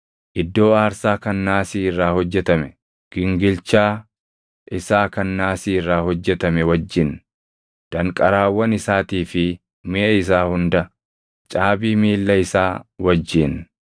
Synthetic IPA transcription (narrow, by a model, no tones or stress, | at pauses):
ʔɪd̪ːo̞ːaːɾsaːkɐnːaːsiːɪrːaːhɔd͡ʒːɛt̪ɐmɛ | ɡ̥ɪŋɡɪlt͡ʃaː | ʔɪsaːkɐnːaːsiːɪrːaːhɔd͡ʒːɛt̪ɐmɛwɐd͡ʒːɪn | d̪̥ɐŋkʼɐɾaːwːɐnɪsaːt̪iːfɪ | mɪʔɐɪs̬aːhʊnd̪ɐ | t͡ʃʼaːbiːmiːlːɐɪsaːwɐd͡ʒːɪn